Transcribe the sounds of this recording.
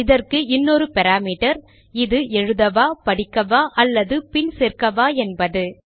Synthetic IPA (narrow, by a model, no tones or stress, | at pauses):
ɪðɐrkɯɪnːoːɾɯpɛɾaːmiːʈɐɾ | ɪðɯɛɻɯðɐʋaːpɐɽɪkːɐʋaːʔɐlːɐðɯpɪnsɛrkɐʋaːɛnbɐðɯ